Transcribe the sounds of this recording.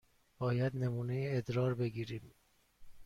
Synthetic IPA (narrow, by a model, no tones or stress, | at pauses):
b̥ɒːjæd̪nemuːnejeːd̪ɾɒːɾbe̞ɡiːɾiːm